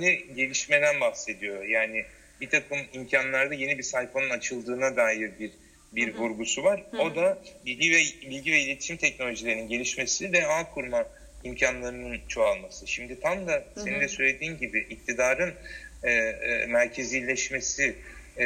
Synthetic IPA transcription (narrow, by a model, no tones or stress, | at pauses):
niɟe̞lʲiʃme̞d̪ænbahse̞d̪ijo̞jaːnɪ | bit̪ʰakʰɯmimcʰanlˠaɾd̪aje̞nibisajfanɯnat͡ʃʰɯlˠd̪ɯːnad̪aːjiɾbiɾ | biɾvuɾɡusuvaɾo̞d̪abilʲɟivɛbilʲɟivɛilʲei̥ʃimt̪ʰɛcno̞lʲo̞ʒilʲe̞ɾininɟe̞lʲiʃme̞sivɛaːkʰuɾma | imcʰanlˠaɾɯnɯnt͡ʃʰo̞alˠmasɯʃimd̪it̪ʰamd̪ase̞nind̪ɛsø̞jlʲe̞d̪iːnɟibɪʔːc̚t̪ʰid̪aːɾɯnɛmæɾcʰe̞ziːlʲɛʃme̞si